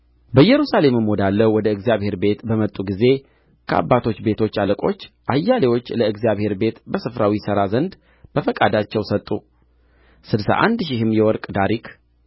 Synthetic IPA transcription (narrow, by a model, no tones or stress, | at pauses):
bəjːɛɾusale̞mɨmːod̪alːəwɔd̪əɨɡzijaβhe̞ɾbe̞t̪bəmət̪ʼːuɡize̞ | kʰəa̰bːat̪ʰo̞t͡ʃːbe̞t̪ʰo̞t͡ʃːaləkʼo̞t͡ʃːʔajːalewo̞t͡ʃːləɨɡzijaβhe̞ɾbe̞t̪bəsɨfɾawisəɾazənd̪ | b̥əfəkʼad̪at͡ʃːɛwsət̪ʼːu | sɨdsa̰ʔa̰nd̪ʃ̬ɪhɨmːjɛwɔɾkʼd̪aɾikʰ